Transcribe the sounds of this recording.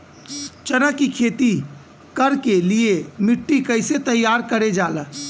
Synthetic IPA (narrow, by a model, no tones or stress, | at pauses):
t͡ʃənəkːikʰeːt̪i | kəɾkeliemɪʈːikəɪset̪əjːaːɾkəɾed͡ʒaːlə